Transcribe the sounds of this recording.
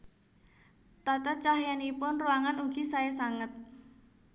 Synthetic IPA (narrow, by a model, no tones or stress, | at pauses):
t̪at̪at͡ʃahjanipʊnruwaŋanuɡ̥i̤saesaŋət̪̚